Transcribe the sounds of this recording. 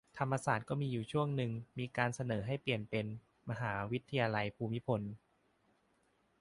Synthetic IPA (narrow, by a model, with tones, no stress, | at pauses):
t̪ʰa˧mːa˧saː˨˩t̪̚kɔː˥˩miː˧juː˨˩t͡ɕʰu˥˩əŋnɯ˨ŋmiː˧kaː˧nsa˧nɤː˩˦ɦa˥˩jpli˨˩ənpe˧n | ma˧ɦaː˩˦wi˦˥t̪ʰːa˧jaː˧la˧jpʰuː˧mi˦˥pʰo˧n